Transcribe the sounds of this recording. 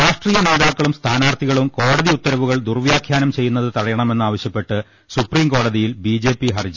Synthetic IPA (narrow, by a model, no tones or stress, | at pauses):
ɾaːʂʈriːjɐne̞ːðaːkːɐɭumst̪ʰaːnaːrt̪ʰiɣɐɭumko̞ːɽɐðiut̪ːɐɾɐʋuɣɐɭd̪urʋjaːkʰjaːnɐmt͡ɕe̞jːunːɐðɨt̪ɐrɐjɐɳɐme̞nːɨaːʋɐɕjɐpːe̞ʈːɨ | supriːmko̞ːɽɐðijilbid͡ʑe̞ːpːiɦɐrd͡ʑi